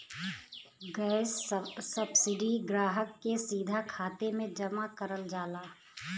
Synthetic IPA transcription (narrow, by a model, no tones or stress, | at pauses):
ɡɛːssɐbsɪɖiɡɾaːɦəkːesiːd̪ʱakʰaːt̪emẽd͡ʒɐmakəɾəld͡ʒaːlaː